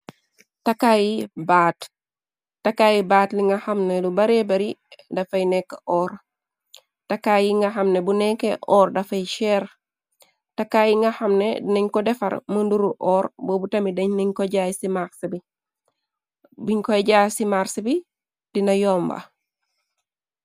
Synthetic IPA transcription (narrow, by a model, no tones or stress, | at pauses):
takajibaːt | takajibaːtliŋɡɐhɐmnelubaɾebɐɾidɐfɐjnɛkːeʔɔːɾ | takaːjiŋɡɐɦɐmnebunɛkːeʔɔːɾdɐfɐjʃɛɾ | takaːjiŋɡɐhɐmnḛdinɐɲkɔdɛfɐ̰ɾmənduɾuʔɔːɾbobutɐmidɐɲniɲkɔɟaːjsimaksɐbi | biɲkɔɟaːsimaɾsibi | d̥inɐjɔːmba̰